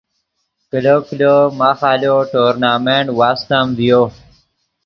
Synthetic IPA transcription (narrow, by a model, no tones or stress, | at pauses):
kilokilomaːxaːloʈoːɾnaːmeɳʈwaːst̪amd̪ijo